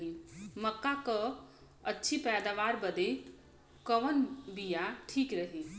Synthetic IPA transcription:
iməkːakə | ətːʃʰipɛːd̪aʋaːɾbəd̪e | kəʋənbijaʈʰiːkɾəɦi

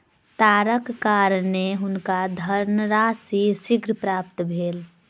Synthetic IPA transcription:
t̪aːɾəkːaːɾneɦʊnkad̪ʱəɾnəɾaːsisɪɡɾəpɾaːp̚t̪bʱeːl

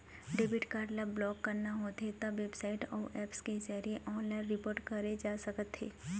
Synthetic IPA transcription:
ɖeːbɪʈkaːɾɖlabblɔːkːɐɾnaɦot̪et̪aʋeːbsaːɪʈɔ̰ːʔɛːpsked͡ʒəɾieʔɔːnlaːɪ̃nɾɪpoːɾʈkɐɾed͡ʒaːsɐkət̪ɦeː

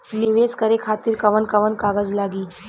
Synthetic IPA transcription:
niʋeskəɾekʰat̪iːɾkɐʋənkəʋənkaɡəd͡zlaɡiː

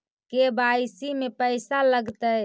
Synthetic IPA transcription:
kebasimepəɪsaləɡt̪əj

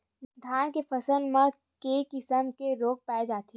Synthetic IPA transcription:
d̪ʱaːnkefɐsəlmẽ | keːkɪsəmkeɾoːk̚pɛːd͡ʒaːt̪ʰi

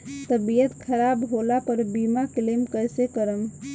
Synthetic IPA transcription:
t̪əbijət̪kʰəɾabɦolapəɾbimaklemkəjsekəɾəm

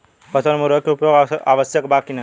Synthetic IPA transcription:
pət̪ənmuɾʋəkeupjoɡaʋəsjəkbakina

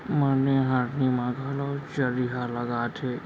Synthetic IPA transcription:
məneɦaːɾnimãɡaːlot͡ʃəɾiɦaləɡaːt̪ʰeː

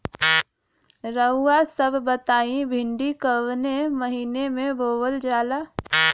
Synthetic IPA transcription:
ɾəuːasəbʱbət̪aːĩbʱɪɳɖikəʋnemɐɦiːnemẽboːwəld͡ʒaːlaː

